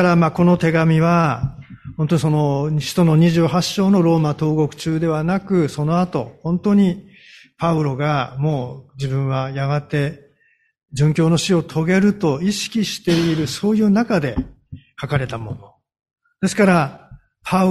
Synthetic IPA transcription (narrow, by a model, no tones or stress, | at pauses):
aɾamaːko̞no̞t̪e̞ɡamʲiβa | hont̪oɲ̟iso̞no̞ɕi̥t̪o̞no̞ɲ̟iʑɨːɦaɕːo̞ːno̞ɾo̞ːmat̪o̞ːɡo̞kɯ̟̥t͡ɕɨːd̪e̞β̞anakɯ̟so̞no̞at̪o̞hõ̞nt̪o̞ɲ̟i | paɯ̟ɾo̞ɡamo̞ːd͡ʑibɯ̟̃ɰ̃βajaɡat̪e̞ | d͡ʑɨ̃ŋkʲo̞ːno̞ɕio̞t̪ʰo̞ɡe̞ɾɯ̟t̪o̞iɕi̥kʲiɕi̥t̪e̞iɾɯ̟so̞ːjɯ̟ːnakad̪e̞kakaɾe̞t̪amo̞no̞ | d̪e̞sɨ̥kaɾa | pʰa